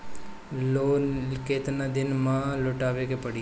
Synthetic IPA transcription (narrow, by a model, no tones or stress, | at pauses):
loːkeːt̪nad̪ɪnmãloːʈaːʋekepəɽi